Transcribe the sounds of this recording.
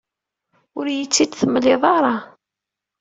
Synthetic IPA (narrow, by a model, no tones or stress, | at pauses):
ʊɾjət͡sːid̪θəmːəlːɪðˤɑɾˤɑ